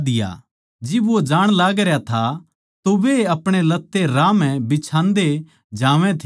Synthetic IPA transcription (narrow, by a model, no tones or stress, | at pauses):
d̪ɪja̰ | d͡ʒɪbʋod͡ʒaːɽ̃laːɡɾjat̪ʰa | t̪oʋeɐpɽ̃elɐt̪ːeɾaːmɛ̃bɪt͡ʃʰãːnd̪e | d͡ʒaːʋɛ̃t̪ʰ